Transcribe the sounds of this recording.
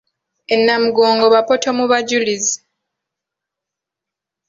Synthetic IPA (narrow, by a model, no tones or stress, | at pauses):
enːamuɡoːŋɡo̞βapo̞tomuβaɟulizi